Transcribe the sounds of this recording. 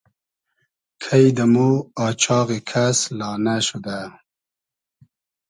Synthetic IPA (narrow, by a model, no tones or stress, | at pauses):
kʰajd̪əmuɑːt͡ɕʰɑːɣekʰaslɑːnaʃud̪a